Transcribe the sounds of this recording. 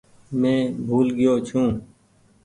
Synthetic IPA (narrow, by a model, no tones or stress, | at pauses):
mẽːbʱuːlɡɪjoːt͡ʃʰũː